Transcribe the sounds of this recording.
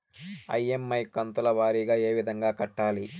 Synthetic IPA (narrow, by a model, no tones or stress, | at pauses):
ɐ̰je̞mːɐjkɐnt̪ulɐʋaːɾiːɡaːe̞ːʋid̪ʱɐŋɡaːkɐʈːaːli